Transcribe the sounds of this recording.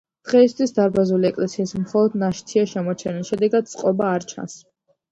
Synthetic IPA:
d̪̥ʁɛist̪ʰwisd̪aɾbazuliɛkʼlɛsiːsmχɔlˠɔd̪naʃt̪ʰiaʃɛmɔt͡ʃʰɛniʃɛd̪ɛɡad̪̚t̪sʼqʼɔbaːɾt͡ʃʰa̰ns

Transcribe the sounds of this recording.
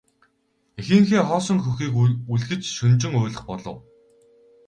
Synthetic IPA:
exɘ̆ŋxeːχɔːsɞ̆ŋxɵxiːkuɮxɘ̆t͡ɕʃɵnt͡ɕɪ̆ŋʊːɮə̆χpɔɮɞ̰̆w

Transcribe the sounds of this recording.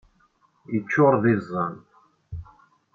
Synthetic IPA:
jət͡ʃːʊɾˤðizˤːɑn

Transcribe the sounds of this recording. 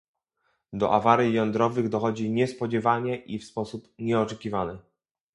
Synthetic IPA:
d̪ɔ̰ʔavaɾʲjijɔnd̪ɾɔvɘɣd̪ɔxɔd͡ʑiɲɛspɔd͡ʑɛvaɲɛʔifspɔsupɲɛɔt͡ʂɛkʲivanɘ

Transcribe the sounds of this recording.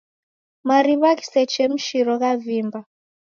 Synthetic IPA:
maɾiβaki̥sɛt͡ʃɛm̩ʃiɾɔɣavimba

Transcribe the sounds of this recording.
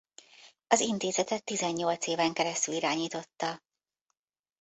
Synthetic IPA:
ɒzint̪eːzɛt̪ɛt̪ːizɛɲːo̞lt̪seːvɛŋkɛɾɛst̪yliɾaːɲiːt̪o̞t̪ːɒ

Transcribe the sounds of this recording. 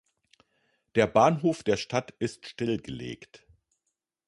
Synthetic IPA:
d̥eːɐbaːnɦoːfd̥eːɐʃtʰatɪstʃtɪlɡəlḛːkt

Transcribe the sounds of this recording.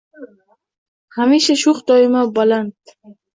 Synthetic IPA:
hamiʃaʃʊχd̪ɒɪmabalant̪

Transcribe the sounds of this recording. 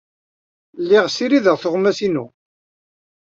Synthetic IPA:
lːɪʁsiɾiðəʁθʊʁmæsinṵ

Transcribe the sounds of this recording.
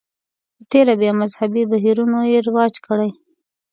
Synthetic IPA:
ət̪eɾabjɑmazhabibaɦiɾunojeɾɪwɑd͡ʒkəɽaj

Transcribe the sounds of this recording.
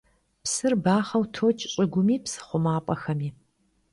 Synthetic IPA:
psɨrbaːχɐwtʰoːt͡ʃʼɕʼɪɡʷʊmiːpsɨ̥χʷʊmaːpʼɐxɐmiː

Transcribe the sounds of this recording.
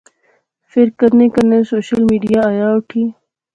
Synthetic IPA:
fɪɾkəɾnekɐnesoːɕəlmiɖijaːjaːuʈʰi

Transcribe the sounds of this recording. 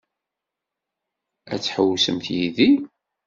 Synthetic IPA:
æ̰t͡sːħəwːsəmθjiði

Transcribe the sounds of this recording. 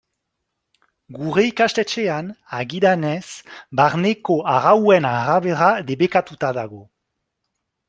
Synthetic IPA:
ɡuɾeikast̪et͡ʃeanaɣiðanesbaɾnekoaɣawwenaʁaβeɾaðeβekat̪ut̪aðaɣo̞

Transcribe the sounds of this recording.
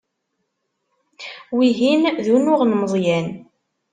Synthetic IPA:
wiɦinðunʊʁnməðˤjæn

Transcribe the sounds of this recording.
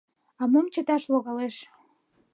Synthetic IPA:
ɑmomt͡ɕə̆t̪ɑʃloɣɑleʃ

